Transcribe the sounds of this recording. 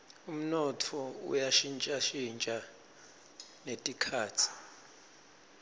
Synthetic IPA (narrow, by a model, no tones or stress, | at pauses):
um̩nɔtʰɔṵjaʃint͡ʃʼaʃint͡ʃʼa | netʼikʰaːtʰi̥